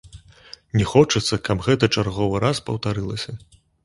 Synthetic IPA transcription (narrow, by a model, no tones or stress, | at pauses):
nʲɛxɔt͡ʂɐt̪sːɐkabɣɛt̪ɐt͡ʂarɣɔvɨɾaspɐwt̪aɾɨlˠɐsʲɐ